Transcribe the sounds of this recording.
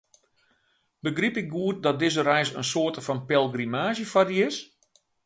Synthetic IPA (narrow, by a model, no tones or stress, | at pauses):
bəɡripɪk̚ɡuər̚dɔt̚dɪzəɾɛjsə̰nsoːrtəfɔnpɛlˠɡrimaːzəfɔdiɪs